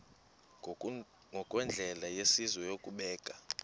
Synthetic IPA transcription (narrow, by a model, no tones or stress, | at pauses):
ŋɡʱɔkʼwɛnd͡ɮʱɛlajesizwɔjokʼuɓɛːkʼa